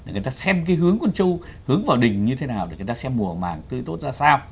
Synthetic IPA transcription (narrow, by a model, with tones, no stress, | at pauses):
ɗjt̪aː˧sɛ˧mkaː˨˦jɦɨ˨˦əŋku˧˩nt͡ɕu˧whɨ˨˦əŋvaː˨˩wɗï˨˩ŋ̟ɲɨ˧t̪ʰe˨˦naː˨˩wɗe˨˩˨jt̪aː˧sɛ˧mːu˨˩˨ə˨˩ma̰ː˨˩ŋt̪ɨ̰˧˨t̪o˦˥t̚zaː˧saː˧w